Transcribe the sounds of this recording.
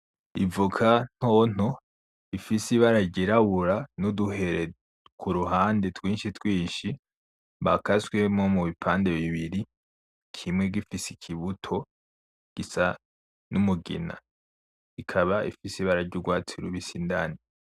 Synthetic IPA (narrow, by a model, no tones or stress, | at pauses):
ivukʰan̥hon̥o̞ | ifisiβaɾaɾɟiɾaβuɾanuduɦe̞ɾe | kʰuɾuɦaːndetwiːnʃitwiːnʃi | βakaswe̞mŋomuβipʰaːnde̞βiβiɾi | kʰimŋe̞ɡifisikʰiβutʰo̞ | ɡ̥isa | numuɡḭna̰ | ikʰaβaḭfisiβaɾaɾɟuɡwaːt͡siɾuβisindani